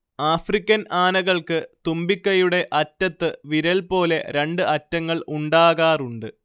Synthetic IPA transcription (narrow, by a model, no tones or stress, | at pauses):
aːfrikʲːɐnaːnɐɣɐɭkɨt̪umbikʲːɐjuɽe̞ʔɐtːɐt̪ːɨʋiɾɐlpo̞ːle̞ɾe̞ɳɖɨʔɐtːɐŋːɐɭuɳɖaːɣaːruɳɖɨ